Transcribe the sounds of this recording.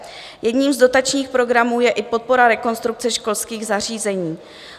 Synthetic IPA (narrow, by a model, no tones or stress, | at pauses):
jɛdɲiːmzdo̞t̪at͡ʃɲiːxpɾo̞ɡɾamuːjɛʔɪpo̞t̪̚po̞ɾaɾɛko̞nst̪ɾuk̚t͡sɛʃko̞lskiːɣzar̝iːzɛɲiː